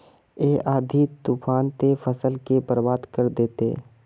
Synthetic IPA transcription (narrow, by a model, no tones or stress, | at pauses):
eːʔaːd̪ʱit̪ufaːnt̪efəsəlkebəɾbaːd̪kəɾd̪eːt̪ḛ